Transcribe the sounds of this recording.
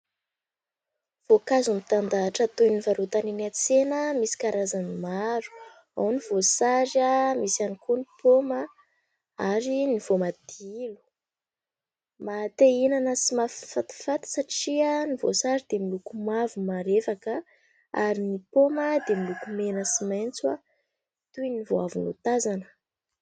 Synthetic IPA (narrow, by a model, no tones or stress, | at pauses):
v̥okazumit̪and̪aːʈ͡ʂət̪ojnivaɾot̪aninat͡senəmisi̥kaɾʔazanimaɾu̥ | a̰wniv̥osaɾamisanikunipʰomə | aɾiniv̥omad̪̥ilu̥ | mat̪einanəsimaffat̪i̥fat̪ə̥saʈ͡ʂianivo̰saɾid̪emilukumavumaɾefakə | aɾinipoməd̪emilukumenəsimajnt͡swa | t̪ujnivoavunṵt̪azanə̥